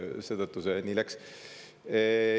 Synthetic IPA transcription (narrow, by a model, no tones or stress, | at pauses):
se̞ːt̪ɤt̪ːˑusenilæks